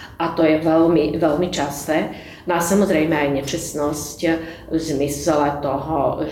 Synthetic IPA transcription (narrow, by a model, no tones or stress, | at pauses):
ʔat̪ɔjɛʋɛlmiʋɛlmit͡ʃastɛ | masamɔzɾɛjmɛajɲɛt͡ʃɛsnɔsc | zmislɛt̪ɔɦɔ̰